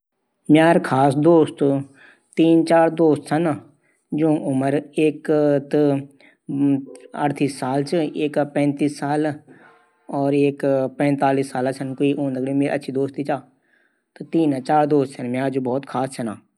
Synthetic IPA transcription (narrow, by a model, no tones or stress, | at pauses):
mjaːɾkʰaːsd̪oːst̪ | t̪iːnt͡ʃaːɾd̪oːst̪sən | d͡ʒõːʊməɾeːkt̪ | əʈt̪iːsːaːlt͡ʃeːkpɛ̃ːnt̪iːsːaːl | ɔːɾeːkpɛ̃ːnt̪aːliːsaːlaːsənkoiʔõːnd̪əɡɾimeːɾ̰ə̰tːʃʰiːd̪oːst̪it͡ʃaː | t̪t̪iːnaːt͡ʃaːɾd̪oːst̪sənmjaːɾd͡ʒõːbɔːt̪kʰaːssʰənaː